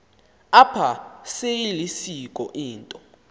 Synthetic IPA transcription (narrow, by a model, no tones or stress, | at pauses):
apʰasejilisikʼɔ̰ʔiːntʼɔ